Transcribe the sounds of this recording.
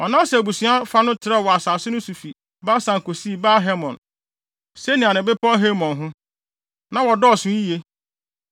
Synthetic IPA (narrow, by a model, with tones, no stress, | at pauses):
ɔ˨nã˦sɛ˨æ˨bu˨sũ˦a˦fa˦nʊ̃˦tʰɪ˨ɾɛ˦˨wɔ˨a˨saː˨sʊ˦nʊ̃˦su˨fi˨ | baː˦sã˨ŋ˨ko˨si˦˨baː˦ɦɛ˦mɔ̃˨n | se˦nĩ˨a˨nɪ̃˨bɪ˦pʰɔ˦ɦe˦mɔ̃˨nɦʊ̃˦ | nã˨wɔ˨dɔ˦˨sʊ̃˦i˦je˦